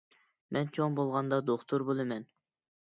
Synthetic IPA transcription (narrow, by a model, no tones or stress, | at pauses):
mʔɛnt͡ʃʰoŋbolˠʁɑnd̪ɑd̪oχt̪ʰuɾbolˠɨmɛn